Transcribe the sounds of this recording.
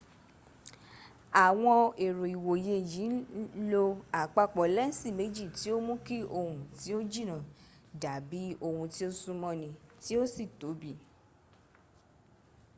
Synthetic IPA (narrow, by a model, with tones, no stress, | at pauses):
a˨w̃ɔ̃˧e˨ɾo˨i˨wo˨je˧˦˨jĩ˨˦lo˧a˨k͡pa˧k͡pɔ˨lɛ˦n̩˦si˦˨me˨˦d͡ʒi˦˨ti˨˦o˦mũ˦ki˦o˧hũ˧ti˨˦o˦d͡ʒi˦˨nã˦˨da˨˦bi˨˦o˧hũ˧ti˦o˦sũ˧mɔ̃˧nĩ˧ti˦o˦si˦˨to˨˦bi˦˨